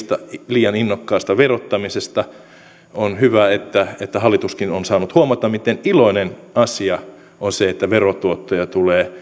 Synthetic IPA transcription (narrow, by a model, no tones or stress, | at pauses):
st̪ɑliːjɑninːokːɑːst̪ɑʋerot̪ːɑmisest̪ɑ | onhyʋæet̪ːæet̪ːæhɑlːˑit̪uskinonsɑːnut̪huɑmɑt̪ɑmit̪eniloinenɑsiɑ | onseet̪ːæʋerot̪uot̪ːojɑt̪uleː